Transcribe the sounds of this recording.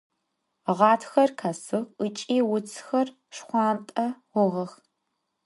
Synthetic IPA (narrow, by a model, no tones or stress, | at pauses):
ʁɑːtʰxɐrkʰasɨʁɨt͡ʃʼiːwʊt͡sʰxɐr | ʂχʷɑːmtʼɐʁʷʊʁɐx